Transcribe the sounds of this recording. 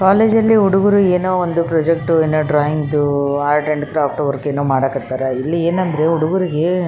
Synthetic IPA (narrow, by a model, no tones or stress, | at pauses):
kaːleːd͡ʒɐlːiuɽuɡuɾueːnoːond̪upɾɐd͡ʒek̚ʈuenːoːɖɾaːjiŋɡid̪uaːɾʈɐɳɖkɾaːp̚ʰʈɐʋɐɾkeːnːoːmaːɽaːkɐt̪ːaːɾɐilːieːnɐnd̪ɾe̞uɽuɡuɾiɡe